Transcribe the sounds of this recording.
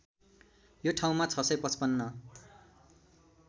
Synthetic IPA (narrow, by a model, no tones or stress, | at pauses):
joʈʰaw̃mat͡sʰʌsʌjpʌt͡spʌnːʌ